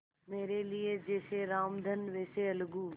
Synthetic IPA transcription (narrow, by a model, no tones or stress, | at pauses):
meːɾelied͡ʑeːseɾaːmd̪ʱənʋeːseɐlɡuː